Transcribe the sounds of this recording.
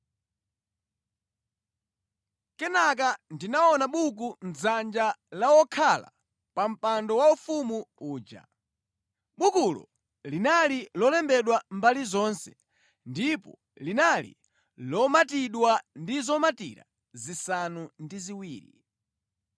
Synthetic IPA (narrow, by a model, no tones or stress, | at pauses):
kɛnak̬andinaɔnaɓuk̬und͡zzand͡ʒalawɔkʰala̰ | pam̩pandɔwaufumuuːd͡ʒa̰ | ɓukulɔ̰ | linalilɔlɛmbɛɗwambalizɔnsɛ̥ | ndipɔ̰ | linalḭ | lɔmatiɗwandizɔmatḭɾa̰ | zisanundiziwiːɾḭ